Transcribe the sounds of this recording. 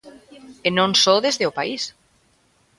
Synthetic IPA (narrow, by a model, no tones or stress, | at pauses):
enõnsoðezðeopais